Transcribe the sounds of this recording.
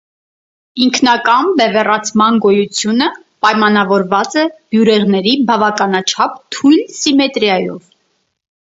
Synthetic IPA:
iŋkʰn̪ɑkɑnbɛvɛrɑt͡sʰmɑnɡɔjut͡sʰjunə | pɑjmɑnɑvɔɾvɑt͡sɛb̥juɾɛʁnɛɾibɑvɑkɑnɑt͡ʃʰɑp̚t̪ʰujlsimɛt̪ɾjɑjɔ̰v

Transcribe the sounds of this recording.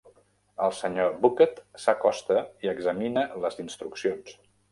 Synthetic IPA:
əlˠsəɲobukət̪səkɔst̪əiəɡzəminələzinst̪ɾuksions

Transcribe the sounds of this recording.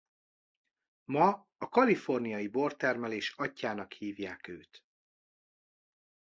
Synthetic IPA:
mɒ | ɒkɒlifo̞rnijɒjibo̞rt̪ɛrmɛleːʃɒcːaːnɒkhiːvjaːkøːt̪

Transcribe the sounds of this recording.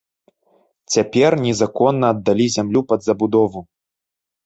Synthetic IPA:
t͡sʲapʲɛrnʲɛzakɔnːɐːd̪ːalʲizʲamlʲupɐd̪zɐbud̪ɔvu

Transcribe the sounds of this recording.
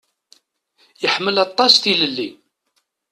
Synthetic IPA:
jəħməlɑt̪ˤːɑsθiləlːi

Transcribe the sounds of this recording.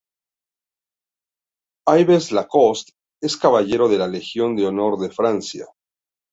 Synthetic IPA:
ajβeslako̞st̪ | e̞skaβaʝe̞ɾo̞ðe̞lale̞xjo̞nd̪eo̞no̞ɾðe̞fɾansja̰

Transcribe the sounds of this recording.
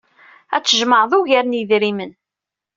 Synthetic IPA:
æt͡sːəʒməɾðˤuʝæɾniðɾimən

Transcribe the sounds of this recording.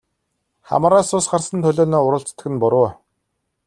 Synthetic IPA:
χa̰mɾaːsʊːsɢarsə̆nt̪ʰɵɮoːnɔːʊɾʊ̆ɬt͡st̪ɘ̆xɘ̆npʊɾʊː

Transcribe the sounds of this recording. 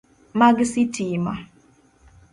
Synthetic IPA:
maɡsitima̰

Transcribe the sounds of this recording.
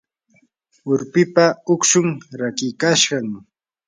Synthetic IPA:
ʊɾpɪpaʊkʃʊŋɾakɪkaʃɢɑŋ

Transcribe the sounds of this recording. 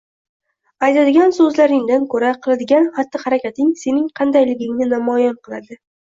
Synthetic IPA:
ajt̪ʰad̪ɪɡʲansɵzlaɾɪŋd̪ankʰɵɾaqʰɨlˠad̪ɪɡʲanχat̪ːɪhaɾakʲat̪ɪŋse̞nɪŋqʰɑnd̪ajlɪɡʲɪŋnɪnamɒjanqʰɨlˠa̰d̪ɪ

